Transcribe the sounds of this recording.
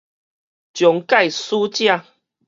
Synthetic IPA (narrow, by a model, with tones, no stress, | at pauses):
t͡ɕjɔ˨˩˦ŋka˥˧˨jsu˦t͡ɕjã˥˧˨